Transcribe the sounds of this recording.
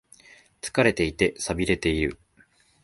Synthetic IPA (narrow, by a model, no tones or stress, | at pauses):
t͡sɨ̥kaɾe̞t̪e̞it̪e̞sabʲiɾe̞t̪e̞iɾɯ̟̰